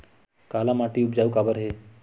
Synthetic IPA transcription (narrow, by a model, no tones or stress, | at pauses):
kaːlamaʈiʊp̚d͡ʒaːukabəɾɦeː